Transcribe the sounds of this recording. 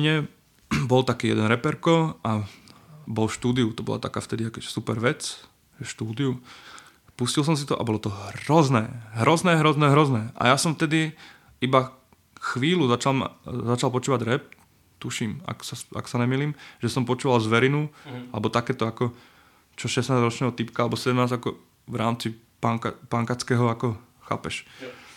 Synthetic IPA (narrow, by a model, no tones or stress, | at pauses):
ɲɛ | bɔlt̪akiːjɛ̰d̪ɛnɾɛpɛɾkɔa | bɔlfʃt̪uːd̪iut̪ɔbɔ̰la̰t̪akaːft̪ɛd̪iakɛ̥supɛɾʋɛt͡s | ʒɛʃt̪uːd̪iu | puscils̬ɔms̬it̪ɔʔa̰bɔlɔt̪ɔɦɾɔznɛːɦɾɔznɛːɦɾɔznɛːɦɾɔznɛːʔa̰jasɔmft̪ɛd̪i | iba | xʋiːluzat͡ʃalma̰zat͡ʃalˠpɔt͡ʃuːʋaɟɾɛp̚ | t̪uʃiːma̰ksasa̰ksanɛmiliːmʒ̥ɛsɔmpɔt͡ʃuːʋalzʋɛɾinualɛbɔt̪akɛːt̪ɔakɔ | t͡ʃɔʃɛsnaːzɾɔt͡ʃnɛːɦɔt̪ipkaalɛbɔsɛdɛmnaːzakɔ | ʋɾaːmt͡si | paŋkapaŋkat͡skɛːɦɔakɔ | xa̰ːpɛʃ